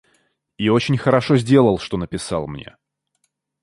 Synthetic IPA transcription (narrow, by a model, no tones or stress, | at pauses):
io̞t͡ɕɪnʲxəɾɐʂo̞zʲdʲe̞lˠəlˠʂt̪o̞nəpʲɪsɑlˠmnʲe̞̰